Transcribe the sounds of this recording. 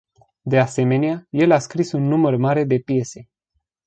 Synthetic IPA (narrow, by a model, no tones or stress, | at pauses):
d̪e̞ase̞me̞neaje̞laskɾisunːumərmaɾe̞d̪e̞pije̞se̞